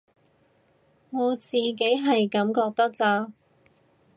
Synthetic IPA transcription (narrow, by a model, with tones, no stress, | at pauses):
ŋɔː˨˧t͡siː˨ke˨˥jɦɐ˨jkɐ˨˥mkɔː˧k̚t̪ɐ˥k̚t͡saː˧